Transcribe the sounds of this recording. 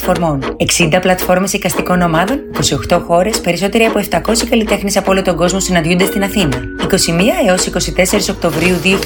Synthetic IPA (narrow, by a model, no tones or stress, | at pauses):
fo̞ɾmo̞ne̞ksind̪ɐplɐt̪fo̞ɾmesekɐst̪iko̞no̞mɐðo̞niko̞sio̞xt̪o̞xo̞ɾe̞spe̞ɾiso̞t̪e̞ɾiɐpoe̞ft̪ɐko̞sikɐlit̪e̞xnisɐpoolot̪o̞ŋɡo̞zmo̞sinɐnd̪jund̪est̪inɐθinɐ | iko̞simiɐeo̞siko̞sit̪e̞se̞ɾiso̞k̚t̪o̞vɾiuðiu